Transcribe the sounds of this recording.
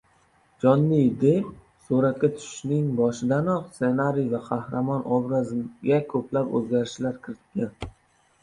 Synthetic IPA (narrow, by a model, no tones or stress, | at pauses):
d͡ʒɒnːɪjd̪ep̚ | suɾat̪̚kʲat̪ʰʊ̥ʃɪ̥ʃnɪŋbɒʃɪd̪anɒqsse̞naɾijvaqʰɑhɾamɒnʔɒbɾazɡʲakʰɵplapɵ̰zɡʲaɾɪʃlaɾkʲʰɪɾɪt̪ʰɪ̥p̚kʲan